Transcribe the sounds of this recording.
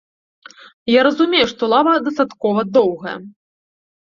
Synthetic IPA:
jaɾɐzumʲejuʂt̪ɔlˠavɐd̪ɐst̪at̪kɔvɐd̪ɔwɣɐjɛ̰

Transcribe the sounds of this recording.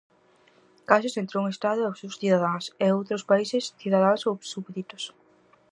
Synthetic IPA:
kasʊsẽnt̪ɾuŋest̪aðʊawsewsθiðaðaŋseowt̪ɾospaisesθiðaðasowsuβðit̪o̥s

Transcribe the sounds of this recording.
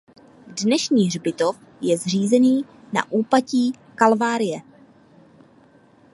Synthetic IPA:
dnɛʃɲiːrbɪt̪of | jɛzr̝iːzɛniː | na̰ʔuːpaciː | kalvaːɾɪjɛ

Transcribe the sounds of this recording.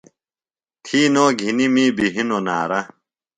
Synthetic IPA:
t̪ʰiːnoːɡʱinimiːbiɦinona̰ːɾɐ

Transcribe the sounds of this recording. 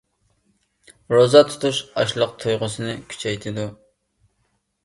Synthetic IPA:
ɾozɑt̪ʰu̥t̪ʰuʃɑʃlˠəq̚t̪ʰujʁʊsɨnɨkʲʰy̥t͡ʃʰɛjt̪ʰɪd̪u

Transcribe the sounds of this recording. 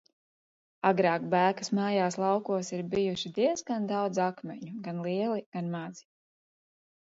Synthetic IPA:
aɡɾaːkbæːkasmaːjaːslˠɑwkuɔsiɾbijuʃid̪iɛzɡand̪awd̪zakmʲɛɲuɡanlˠiɛlˠiɡ̥anmad̪z̥i̥

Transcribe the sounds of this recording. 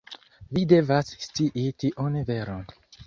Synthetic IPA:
vide̞vasst͡siʔitiʔonveɾon

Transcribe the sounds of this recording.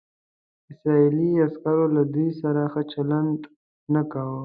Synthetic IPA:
ɪsɾailiaskaɾolad̪ujsaɾaxət͡ʃalant | nakawə

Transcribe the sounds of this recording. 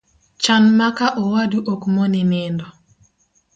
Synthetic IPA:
t͡ʃanmakaʔɔwaduʔokmɔnɪnɪndɔ

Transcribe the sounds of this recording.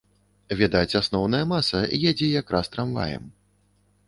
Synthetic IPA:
vʲɛd̪at͡sʲasnɔwn̪ɐjɐmasɐjɛd͡zʲijakɾʔast̪ɾamva̰jɛ̰m

